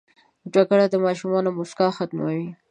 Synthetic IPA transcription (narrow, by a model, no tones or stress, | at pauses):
d͡ʒakəɽad̪əmɑʃumɑnomʊskɑxat̪mawi